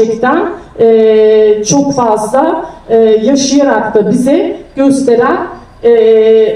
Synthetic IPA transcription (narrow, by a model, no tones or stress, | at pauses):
ɛct̪ʰænɛt͡ʃʰo̞kfazlˠaɯːjaʃɯjaɾakd̪abizɛɟ̥ø̞st̪ʰe̞ɾæn | ɛ